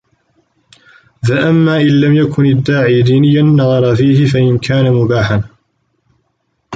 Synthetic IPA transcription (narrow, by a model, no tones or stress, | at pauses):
ðaʔamːaːʔɪnlamjakʰʊnad̪ːaːʕiːd̪iːnɪjːanːɑðˤɑɾˤɑfiːhɪfaʔɪnkʰaːnamʊbaːħan